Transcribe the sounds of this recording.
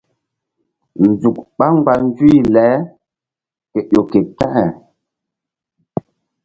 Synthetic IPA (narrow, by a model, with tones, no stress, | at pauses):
n̩˨zu˨k̚ɓa˦ŋ˦ɡ͡ba˨n˦d͡zwi˦˨lɛː˨˦ | kɛ˨jo˨ke˨ta˦ʔɛ˨